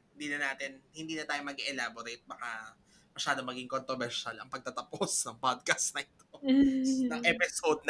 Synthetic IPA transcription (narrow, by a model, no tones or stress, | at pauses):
hɪnd̪iːnɐnaːt̪ɪnhɪnd̪iːnɐt̪aːjo̞mɐɡɛʔɛlaːboɾejt̪̚bɐka | mɐʃaːd̪omɐɡiŋkont̪ɾobɛɾʃalɐŋpɐɡ̚t̪ɐt̪ɐposnɐŋpad̪̚kɐst̪nɐʔɪt̪o | ɐŋʔɛpɪsod̪̚n